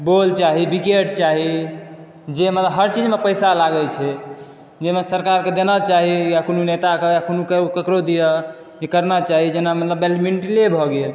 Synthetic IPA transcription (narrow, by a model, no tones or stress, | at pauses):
bolt͡ʃaɦibikeʈt͡ʃaɦi | d͡ʒemət̪ləbɦəɾt͡ʃid͡ʒmepəjsalaɡəlt͡ʃʰɛ | d͡ʒemesəɾkaɾked̪enət͡ʃaɦijakonunet̪akejakonukekəkɾod̪ijə | d͡ʒekəɾnat͡ʃaɦid͡ʒenamət̪ləbelminʈilebʱɔɡel